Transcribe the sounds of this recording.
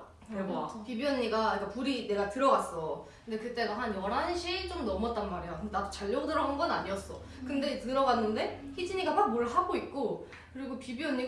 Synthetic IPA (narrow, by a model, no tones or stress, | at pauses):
kpibiʌɲːiɡaik͈apuɾine̞ɡatɯɾʌɡas͈ʌkɯnde̞kɯt͈eɡaɦanjʌɾɦanɕʰeit͡ɕ͈omnʌmʌt͈anmaɾejokɯnd̪edadot͡ɕaʎːʌdɯɾʌɦanɡʌnaɲiʌs͈ʌ | kɯnde̞tɯɾʌɡanːɯnde̞ | çʰid͡ʑiɲiɡamak̚moɭɦaɡoik̚k͈o | kɯɾiɡopibiʌɲːi